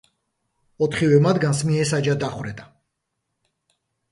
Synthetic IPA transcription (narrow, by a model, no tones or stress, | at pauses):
ɔt̪ʰχivɛmad̪ɡansmiɛsad͡ʒad̪aχwɾɛd̪a